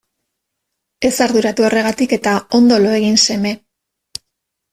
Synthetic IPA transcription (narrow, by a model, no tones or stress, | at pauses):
e̞saɾðuɾat̪uo̞re̞ɣ̞at̪ike̞t̪ao̞nd̪o̞lo̞e̞ɣinse̞me̞